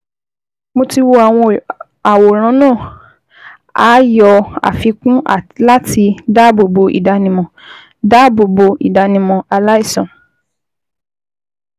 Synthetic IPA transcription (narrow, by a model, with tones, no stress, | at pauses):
mo˧ti˧wo˧a˨w̃ɔ̃˧ | a˨wo˨ɾ̃ã˨˦nãː˦˨ | a˦jɔ˧a̰˨fi˨˧kũ˦ʔa˦˨la˦ti˧da˦˨bo˨bo˧ʔḭ˨da˧nĩ˧mɔ̃˨ | da˦bo˨bo˧i˨da˧nĩ˧mɔ̃˨˧a˧la˦i˦˨sɔ̃˨